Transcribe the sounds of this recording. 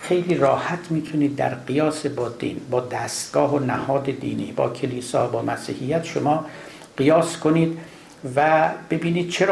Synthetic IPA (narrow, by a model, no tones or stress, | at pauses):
xe̞jliːɾɒːhæt̪ʰmiːt̪ʰuniːd̪̚ːæ̰ɾqijɒːsebɒːd̪ḭːnbɒːd̪æːst̪ɡ̥ɒːɦonæhɒːd̪ed̪ḭːnḭːbɒ̰ːkʲʰeliːsɒːbɒːmæsiːhijːæt̪ʃomɒː | ɢijɒːskʰoniːd̪ | væb̥e̞biːniːd̪̥̚t͡ʃʰeɾ